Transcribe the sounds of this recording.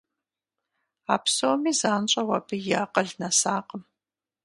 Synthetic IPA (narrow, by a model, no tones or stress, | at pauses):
aːpsowmiːzaːnɕʼɐwɐbɨjaːqɐɮnɐsaːqəm